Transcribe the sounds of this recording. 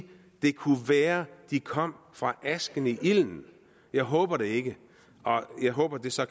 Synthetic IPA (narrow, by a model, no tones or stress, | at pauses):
d̥e̝kʰuʋæːɐd̥ikʰɒ̽m̰ | fʁɑ̈ʔæsɡ̥ən̩iʔiln̩ | jɑ̈ɪɦɔ̽ːb̥ɐɾ̥e̝e̝ɡ̥ə | ʔɒ̽jɑ̈ɪɦɔ̽ːb̥ɐd̥e̝sɒ̽